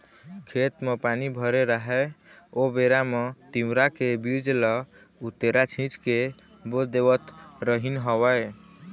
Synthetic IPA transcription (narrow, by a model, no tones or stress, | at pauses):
kʰet̪mepanibʱəɾeɾaɦɛobeɾamet̪imɾakebiɾd͡ʒlɔ | ut̪eɾat͡ʃʰĩt͡ʃke | bod̪ewət̪ɾəɦinɦəwəj